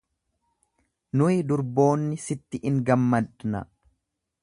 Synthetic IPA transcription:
nʊɪd̪ʊɾbo̞ːnːɪsɪt̪ːɪʔɪŋɡɐmːɐd̪nɐ̰

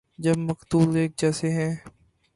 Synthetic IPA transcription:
d͡ʒɐbmɐkt̪uːleːk̚d͡ʒɛːseɦɛ̃ː

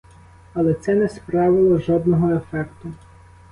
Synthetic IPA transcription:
ɐlˠɛt̪sɛnɛspɾɑʋɪlˠɔʒɔd̪nɔɦɔefɛkt̪ʊ

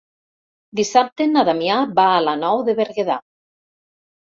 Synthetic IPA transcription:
d̪isap̚t̪enaðamjabaːlanɔwðeβeɾɣeða

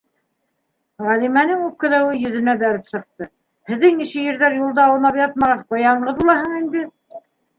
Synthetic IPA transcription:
ʁælimænɘŋʉp̚kɘ̆læwɘjɵ̆ðɘ̆næbæɾɘpsɤ̆q̚t̪ɤ | hɘ̆ðːɘŋniʃɘjɘ̆ɾðæɾjulˠd̪ɑːwɤ̆nɑpjɑt̪̚mɑʁɑqŏjɑɴʁɤðbulˠɑɦɤɴind̪ɘ

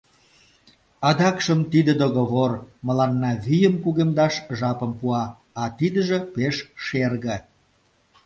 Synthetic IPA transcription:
ɑd̪ɑkʃəmt̪id̪əd̪oɣoβorməlɑnːɑβyjəmkuɣemd̪ɑʃʒɑpə̆mpuɑː | t̪id̪əʒĕpeʃʃerɣə̆

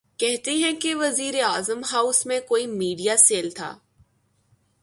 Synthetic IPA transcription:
kɛɦt̪eɦɛ̃keʋɐziːɾeaːzəmɦaʊsmẽkoːimiːɖijaseːlt̪ʰa̰ː

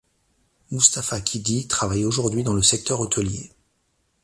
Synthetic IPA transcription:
must̪afakʰʲid̪it̪χavajoʒuʁd̪ɥid̪ɑ̃ləsɛk̚t̪œʁot̪əljḛ

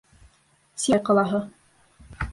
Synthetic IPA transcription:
sijqɑlˠɑɦɤ

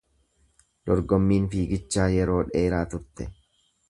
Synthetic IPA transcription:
d̪̥ɔɾɡɔmːiːnfiːɡɪt͡ʃːaːjɛɾo̞ːᶑe̞ːɾaːt̪ʊɾt̪ɛ

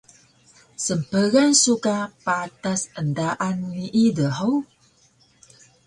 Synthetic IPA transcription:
səmpəɣansukapat̪asəndaʔanmiʔidəɦəw

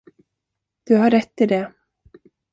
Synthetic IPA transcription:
d̪̥ɵɦaɾːɛt̪ːɪd̪ɛ

